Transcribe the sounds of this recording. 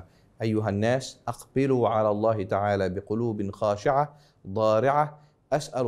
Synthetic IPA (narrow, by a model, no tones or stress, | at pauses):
ʔajːʊɦanːaːsʔɑqbɪluːʕalaːlˤːɑːhɪt̪aʕaːlaːbɪqʊluːbɪnxaːʃɪʕa | d̪ˤɑːɾɪʕa | ʔasʔal